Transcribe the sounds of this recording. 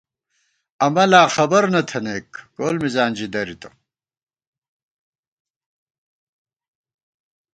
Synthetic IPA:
ɐmɐlaːxɐbɐɾnɐt̪ʰɐneːkɡoːlmizaːnd͡ʑid̪ɐɾit̪ɐ̥

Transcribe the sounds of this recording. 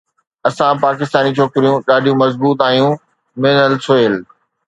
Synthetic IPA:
ɐsãpaːkɪst̪aːnit͡ɕʰoːkɪɾijũɗaːɖʱijũmɐzbuːt̪aːijũ | mẽːnəlsoeːl

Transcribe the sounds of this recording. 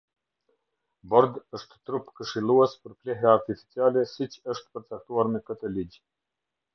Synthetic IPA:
bɔɾd̪əʃt̪t̪ɾupkəʃilˠuɛspəɾplɛɦaːɾt̪ifi̥t͡sialɛsit͡ɕəʃt̪pəɾt͡sak̚t̪uaɾmɛkət̪əliɟ

